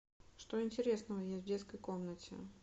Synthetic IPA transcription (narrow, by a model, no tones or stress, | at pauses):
ʂt̪oɪnʲtʲɪɾʲe̞snəvəjesʲtʲvdʲeskəjkomnətʲɪ̰